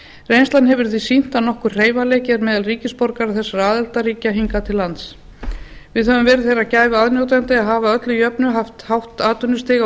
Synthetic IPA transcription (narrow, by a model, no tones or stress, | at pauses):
rejnst̪lanhɛvʏɾ̥θisin̥t̪anɔhkʏr̥r̥eːjvaleːjcɛɾmɛːðalriːcɪspɔɾkaɾaθɛsːaɾaːðɛlt̪aɾiːcaɦiŋkat̪ʰɪlːant̪s | vɪðhœvʏmvɛːɾɪðθejɾracaːjvɪaðnjowt̪̬ant̪ɪaðɦavaœt̪lʏjœpnʏɦaft̪hawht̪aːt̪ʏnːʏst̪ɪːɣ